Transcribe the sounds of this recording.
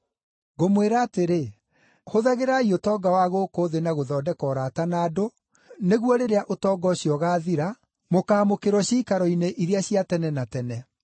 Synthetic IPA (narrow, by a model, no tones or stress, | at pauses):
ɣomweɾaːteɾe | hoðaɣeɾaiotɔːɡawaɣokoːðenaɣoðɔːdɛkɔːɾaːtanaːdo | neɣwɔɾeɾeaʔotɔːɡɔɕiɔɣaːðiɾa | mokaːmokeɾwɔɕiːkaɾɔineʔiɾeaɕiatɛnɛnatɛnɛ